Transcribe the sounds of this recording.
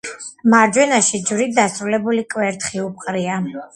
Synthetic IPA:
maɾd͡ʒwɛnaʃid͡ʒvɾit̪̚d̪asɾulɛbulikʼwɛɾt̪χiup̚qʼɾia

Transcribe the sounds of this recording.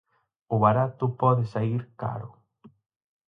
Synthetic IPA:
ʊβaɾat̪ʊpɔðesaiɾka̰ɾʊ

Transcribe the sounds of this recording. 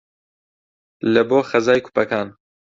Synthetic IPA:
lɐboːxɐzaːjkʰu̥pɐkaːn

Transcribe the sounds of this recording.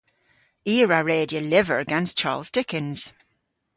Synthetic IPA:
iːɹəɹeːdiəlɪvəɹəɡɛ̃nst͡ʃʰa̰ːlˠzdɪkɪ̃nz̥

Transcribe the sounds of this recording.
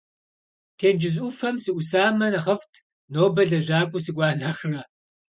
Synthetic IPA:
tʰeːnd͡ʒɪzʔʷʊfɐmsɨʔʷʊsaːmɐnɐʁɐftʰ | noːbɐɮɐʒaːkʷʼʊsɨkʷʼaːɮɐχrɐ

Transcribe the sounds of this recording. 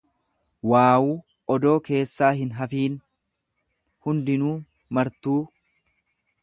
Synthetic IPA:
waːwuː | ɔd̪o̞ːke̞ːsːaːɦɪnɦɐfiːn | hʊnd̪ɪnuː | mɐɾt̪uː

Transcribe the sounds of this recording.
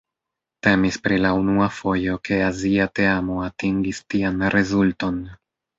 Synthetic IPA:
te̞mispɾilaunuafo̞jo̞ke̞aziate̞amo̞atiŋɡistianɾe̞zulto̞n

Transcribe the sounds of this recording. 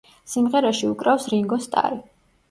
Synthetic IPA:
simʁɛɾaʃiukʼɾafsɾiŋɡɔst̪ʼa̰ɾi

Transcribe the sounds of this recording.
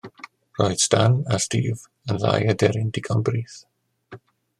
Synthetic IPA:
rɔjd̥stanastiːv | ənða̰jədɛɾɪndɪkʰɔnbriːθ

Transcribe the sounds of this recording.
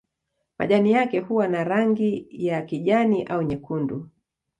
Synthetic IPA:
ma̰ʄanijakɛhuwanaɾaŋɡijakiʄaniʔauɲɛkundu

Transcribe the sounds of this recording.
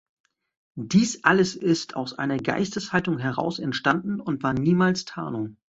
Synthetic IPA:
d̥iːsʔaləsɪstʰa̰ʊsʔa̰ɪnɐɡa̰ɪstəshaltʊŋɦɛʁ̞a̰ʊsɛntʃtandn̩ʊntv̥aːɐniːmaːlstʰa̰ːnʊŋ

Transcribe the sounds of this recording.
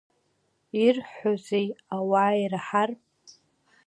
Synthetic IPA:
irħʷozejawairaħarpʼ

